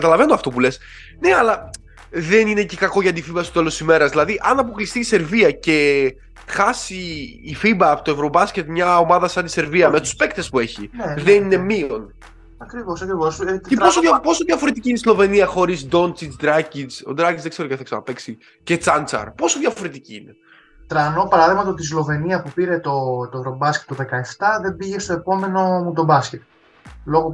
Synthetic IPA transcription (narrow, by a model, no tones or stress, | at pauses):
kɐt̪ɐlɐve̞noɐft̪o̞p̬ule̞s | ne̞ɐlɐ | ðenine̞cekɐko̞ʝɐt̪̬ifibɐsi̥t̪e̞losimeɾɐzðilɐðiʔɐnɐp̬oklist̪iːse̞ɾviɐce̞ | xɐsiːfibɐpot̪oevɾo̞bɐscet̪mɲɐo̞mɐðɐsɐnt̪ise̞ɾviɐme̞t̪u̥spe̞kt̪e̞spue̞çḭnðenine̞mion | ɐkɾivosɐkɾivo̞scepo̞sojɐpo̞soðʝɐfo̞ɾet̪icineslo̞ve̞niɐxo̞ɾizd̪o̞nt͡sit͡sd̪ɾɐcit͡so̰d̪ɾɐcizðeɡ̥e̞ɾoceθɐiksɐnɐpe̞ksi | cet͡sɐnt͡sɐ̰ɾpo̞so̞ðʝɐffo̞ɾet̪iciine̞ | t̪ɾɐno̞pɐɾɐðiɣmɐt̪ot̪islo̞ve̞niɐpupiɾe̞t̪ot̪oevɾo̞bɐsket̪ːoðe̞kɐeft̪ɐðe̞mbiʝe̞st̪o̞epo̞me̞no̞mud̪obɐsce̞t̪ | lo̞ɣo